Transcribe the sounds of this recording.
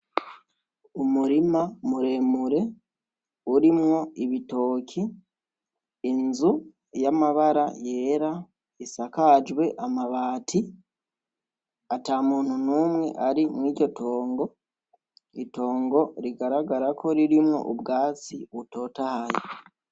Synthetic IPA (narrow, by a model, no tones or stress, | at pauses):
umuɾimamuɾe̞ːmuɾe̞ | uɾimŋo̞iβito̞ːkʰi | nzu | jamaβaɾaje̞ːɾa | isakad͡ʒwe̞ʔamaβaːtʰi | atamuːn̥hunuːmŋe̞̰ʔaɾimwiːɾɟo̞tʰo̞ːŋɡo̞ | ito̞ːŋɡo̞ɾiɡaɾaɡaɾakʰo̞ɾiɾimŋo̞̰ʔubɡaːt͡siβuto̞ːtahaji